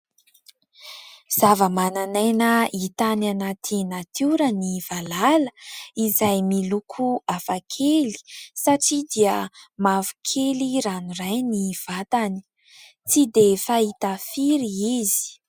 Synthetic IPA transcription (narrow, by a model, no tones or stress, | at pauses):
z̥avəmananajnəit̪ananat̪ʰinat̪ʰuɾənivalalə̥izajmilukʰuafakʰeli̥saʈ͡ʂid̪iəmavu̥kʰeliɾanuɾajniv̥at̪ani̥ | t͡sid̪efait̪afiɾiizi̥